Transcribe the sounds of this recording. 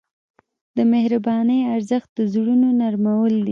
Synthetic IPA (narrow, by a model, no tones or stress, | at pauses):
d̪əmehɾabɑnəjaɾzəxt̪̚d̪əzɽunonaɾmawəld̪i